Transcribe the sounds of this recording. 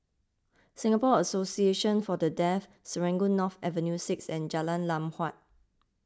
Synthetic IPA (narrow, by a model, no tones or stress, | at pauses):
sĩŋapɔəsosieʃə̃nfɔdədɛf | səɹɛ̃ŋɡonɔfɛvə̃njusɪksɛ̃nd͡ʒalãnlãmhwat̚